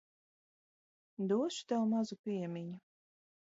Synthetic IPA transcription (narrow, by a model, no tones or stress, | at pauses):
d̪uɔʃu̥t̪awmazupʲiɛmʲiɲʊ